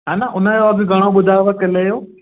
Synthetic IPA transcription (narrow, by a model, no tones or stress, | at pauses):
ɦaːnaʔʊnəjoɐɡɪɡʱɐɽ̃oɓʊd̪ʱaʋəkɐlejoː